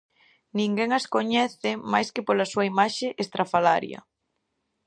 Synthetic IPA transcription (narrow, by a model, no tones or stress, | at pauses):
nĩŋɡɛŋaskoɲɛθɪmajskepolɐsuɐimaʃeʔest̪ɾafala̰ɾj̰ɐ̰